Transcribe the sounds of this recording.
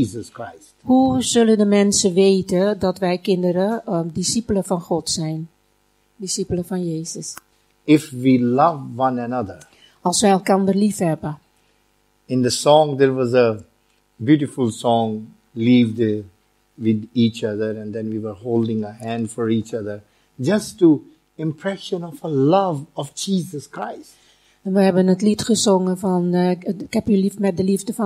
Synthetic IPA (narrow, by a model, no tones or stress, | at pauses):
izəskɹaɪs | huzɵləndəmɛnsəʋeːtədɑtʋɛjkɪndəɾədisipələfɑnχɔtsɛjn | disipələfɑnjeːzəs | ɪfʋilʌvːʌ̃nənʌd̪ə˞ | ɑlˠsʋɛjɛlˠkɑndəɹlifɦɛbə | ɪ̃nd̪əsɔ̃ŋd̪əɹwɔzə | bjuɾɪfʊlˠsɔ̃ŋ | livd | wɪd̪iːt͡ʃʌðəɹɛ̃nd̪ɛ̃nwiwəɹholdɪ̃ŋəhæ̃ndfɔɹiːt͡ʃʌðə˞ | d͡ʒʌstu | ɪ̃mpʰɹɛʃə̃nɔvəlʌvɔfd͡ʒiːzəskɹaɪst | ɛnʋəɦɛbənətlitχəzoŋəfɑnɪkhɛpjəlifmɛt̚dəlivdəfɑ